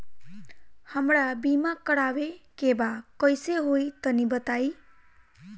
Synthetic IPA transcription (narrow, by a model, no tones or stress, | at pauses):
həmɽabimãkəɽaʋekebakəjseɦoit̪ənibət̪ai